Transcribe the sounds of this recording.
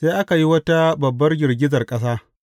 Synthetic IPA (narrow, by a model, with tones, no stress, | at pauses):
seː˦ʔa˦ka˨ji˦wɐ˦ta˦bɐ˨bːɐ˦rɡʲɪ˨rɡʲɪ˦zɐ˨rkʼɐ˦s̬aː˦